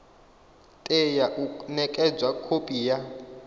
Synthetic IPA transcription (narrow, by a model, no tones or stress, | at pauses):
tʼejaʔunɛkʼɛd͡zwakʰopʼija